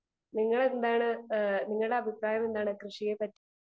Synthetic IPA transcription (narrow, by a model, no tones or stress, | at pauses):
niŋːɐɭend̪aːɳɨniŋːɐɭɨɽe̞ɐbʱipɾaːjɐme̞nd̪aːɳɨkrɨʂijepɐtː